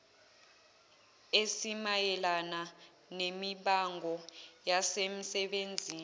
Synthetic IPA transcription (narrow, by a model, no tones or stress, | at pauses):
esimajɛlana | nemiɓaŋɡʱɔjasem̩sɛɓend͡zʱiːn